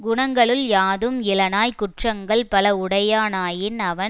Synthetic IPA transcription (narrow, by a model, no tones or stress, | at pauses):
ɡʊɳɐŋɡɐɭɯljaːðɯmɪlɐnaːjkʊʈrɐŋɡɐɭpɐlɐʊɽɐjaːnaːjɪnɐʋɐn